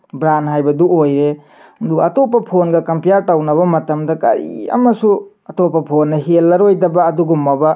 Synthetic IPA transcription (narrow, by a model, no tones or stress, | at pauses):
bɾanɦajbɐduojɾe | dukɐtopːɐpʰonɡɐkɐmpijaɾtawnɐβɐmɐtɐmdɐkɐ̰ɾḭɐ̰mɐsu | ɐtopːɐpʰonːɐɦelːɐɾojdɐbɐːduɡumːɐbɐ